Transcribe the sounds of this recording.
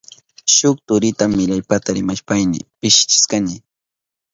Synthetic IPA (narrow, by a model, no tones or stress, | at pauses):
ʃʊk̚t̪ʊɾɪt̪amːɪʎajpat̪aɾɪmaʃpajnɪ̰pɪʃɪ̥t͡ʃɪ̥skanɪ